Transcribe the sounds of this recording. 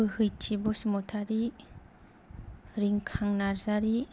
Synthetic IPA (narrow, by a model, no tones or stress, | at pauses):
ɯhɯjtʰibɔsmɔtʰaɾi | ɾiŋkʰaŋnaɾzaɾi